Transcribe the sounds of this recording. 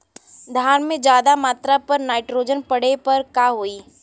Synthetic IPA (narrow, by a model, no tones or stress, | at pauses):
d̪ʱjaːɾnmẽd͡ʒjaːd̪amaːt̪ɾapɐɾnaːɪʈɾoːd͡ʒənpɐɽ̤epɐɾkaːɦoːiː